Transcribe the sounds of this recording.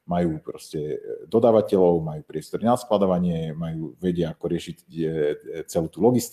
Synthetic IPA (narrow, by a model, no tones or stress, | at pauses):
majuːpɾɔscɛd̪ɔd̪aːʋacɛlɔʊmajuːpɾɪɛst̪ɔɾnasklad̪ɔʋaɲɪɛmajuːʋɛɟɪaakɔɾɪɛʃic | t͡sɛluːt̪ulɔɡist̪